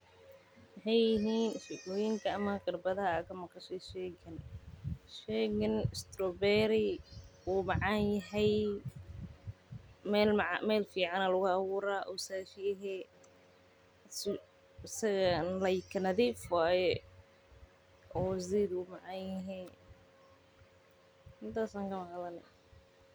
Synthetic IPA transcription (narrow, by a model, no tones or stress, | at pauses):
wɑħɑjːɪɦiːnʃɪ̰lɔːjɪŋkʰɐːmɐkɐrbɐðɐɦɐkʰɐmɐqɐʃɛʃɛːɡɐn | ʃɛːɣɐnɪst̪ɾɔbɛːɾɪuːmɑʕɑnjɐɦɛj | mɛlmʕɑ̰mɛːlfiːʕɑnɐlʊɣʊɐwuːɾaːʔɔwsaːʃɪjɛɦɛː | s | sɐɣɐnlɐjkʰɐnɐðifwaːjɛ | ʔɔːziːd̪uːmɑʕɑnjɐɦɛ | hɪnt̪aːsaːŋkʰɐmɐqlɐnɛ̰